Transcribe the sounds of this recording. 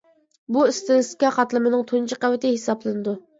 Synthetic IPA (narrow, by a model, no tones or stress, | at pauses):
buɪst̪ɪnskʲɑqɑt̪lˠɨmɨnɨŋt̪ʰont͡ʃʰɪqæwɪt̪ɪhesɑblˠɨnɨd̪u